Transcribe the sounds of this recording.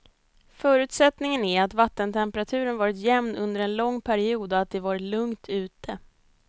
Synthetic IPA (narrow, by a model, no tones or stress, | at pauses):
fœːɾʉ̟ːt̪sɛt̪nɪŋənæɾat̪vat̪ːənt̪ʰɛmpəɾat̪ʰʉ̟ːɾənvɑːɾɪt̪jɛmnɵnd̪əɾɛnlɔŋːpʰæɾɪuːd̪ɔat̪̚d̪ɛvɑːɾɪlɵŋt̪ʰʉ̟ːt̪ʰə